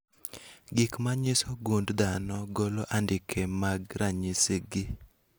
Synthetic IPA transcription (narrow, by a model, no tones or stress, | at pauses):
ɡɪkmaɲɪsɔɡundd̪anɔɡoloʔandɪkʰemaɡɾaɲɪsɪɡɪ